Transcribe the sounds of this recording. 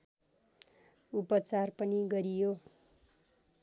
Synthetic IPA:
upʌt͡sarpʌniɡʌɾijo

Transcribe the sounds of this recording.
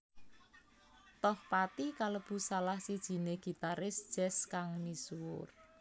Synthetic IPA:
t̪ɔhpat̪ikaləb̥ṳsalahsid̥ʒ̥i̤neɡ̥i̤t̪aɾɪsd̥ʒ̥ɛskaŋnisuwʊr

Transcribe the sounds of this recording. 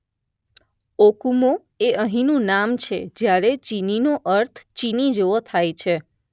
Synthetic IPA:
okumo | eʔəɦĩnũnamt͡ʃʰḛd͡ʒjaɾet͡ʃininoʔəɾt̪ʰt͡ʃinid͡ʒeʋot̪ʰajt͡ʃʰe

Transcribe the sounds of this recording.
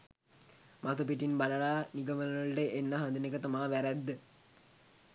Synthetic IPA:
mat̪up̬iʈinbɐlɐɭaːniɡɐmɐnɐlɐɭʈeʔenːɐɦɐnd̪unekət̪ɐmaːʋæɾæd̪ːə

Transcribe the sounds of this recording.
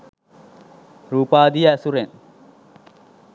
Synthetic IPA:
ɾuːpaːd̪ijasuɾen

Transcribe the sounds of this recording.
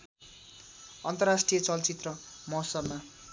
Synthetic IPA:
ʌnt̪ʌrasʈrijʌt͡sʌlt͡sit̪rʌmʌɦsʌbma

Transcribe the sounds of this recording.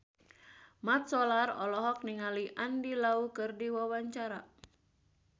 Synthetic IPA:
mat̪̚sɔlarɔlɔɦɔk̚niŋaliʔandilaukɨrdiwawaɲt͡ʃaɾa

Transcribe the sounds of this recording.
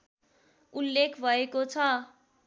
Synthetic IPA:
ulːekʰbʱʌekot͡sʰʌ

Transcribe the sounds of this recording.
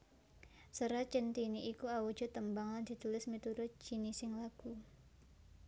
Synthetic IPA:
səɾat͡ʃənt̪iniʔikuawu̥d͡ʒ̥ɔ̤t̪əmbaŋland̥̪i̤t̪ulɪsmit̪uɾʊt̪̚d͡ʒ̥inisɪŋlaɡ̥u

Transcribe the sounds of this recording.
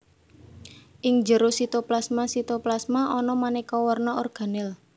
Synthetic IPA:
ʔɪŋd͡ʒəɾosit̪oplasmasit̪oplasmaʔɔnɔmanɛkɔwɔrnɔorɡ̥a̤nɪl

